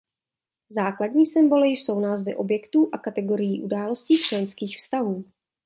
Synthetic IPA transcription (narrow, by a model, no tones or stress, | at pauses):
zaːkladɲiːsɪmbo̞lɪjɪʃso̞wnaːzvɪʔo̞bjɛkt̪uːʔakat̪ɛɡo̞ɾɪjiːʔudaːlo̞sciːt͡ʃlɛnskiːxfst̪aɦuː